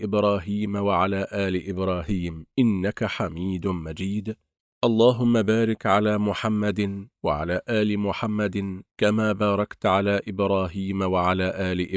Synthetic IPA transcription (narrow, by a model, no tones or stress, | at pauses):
ʔɪbɾˤɑːɦiːmawaʕalaːʔaːlɪʔɪbɾˤɑːɦiːmʔɪnːakaħamiːd̪mad͡ʒiːd̪ | ʔɑlˤːɑːɦʊmːabaːɾɪkʕalaːmʊħamːad̪waʕa̰laːʔaːlɪmʊħamːad̪kamaːbɑːɾˤɑkt̪ʕalaːʔɪbɾˤɑːɦiːmawaʕalaːʔaːlɪʔɪ